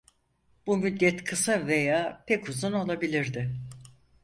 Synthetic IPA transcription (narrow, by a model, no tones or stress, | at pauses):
b̥umyd̪ːɛt̪kʰɯsave̞jaːpʰɛcuzuno̞lˠabilʲiɾd̪ɪ